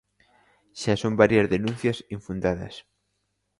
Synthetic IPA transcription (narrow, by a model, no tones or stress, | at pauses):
ʃasõmbaɾjɐzðenũn̟θjɐsiɱfund̪aðɐ̰s